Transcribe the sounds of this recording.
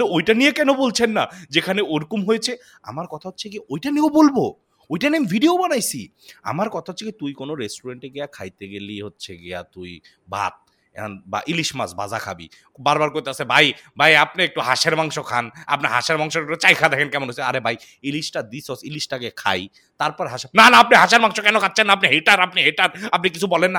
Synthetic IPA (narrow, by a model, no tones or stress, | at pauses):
eojʈanijekɛnobolt͡ɕʰenːad͡ʑekʰaneoɾkumɦojet͡ɕʰe | a̰maɾkɔt̪ʰaɦotːɕʰekiojʈaneobolbo | ojʈaneambʱiɖiobanajsi | a̰maɾkɔt̪ʰaɦotːʰekit̪ujkonoɾesʈuɾeɳʈeɡeakʰajt̪eɡeliɦotːɕʰeɡea̰t̪uj | ba̰t̪̚ | ba̰ʔiliʃmasbad͡ʑakʰabḭ | baɾbaɾkoɾt̪easʰebʱajbʱajap̚neek̚ʈuɦaʃeɾmaŋʃokʰana̰p̚naɦaʃeɾmaŋʃoek̚ʈut͡ɕajkʰad̪ɛkʰenkɛmonɦojt͡ɕʰeaɾebʱaj | iliʃʈad̪isosiliʃʈaɡekʰa̰j | t̪aɾpɔɾeɦaʃenanaap̚niɦaʃaɾmaŋʃokɛnokʰatːɕʰenːaap̚niɦeʈaɾapniɦeʈaɾapnik̬it͡ɕʰubɔlenːa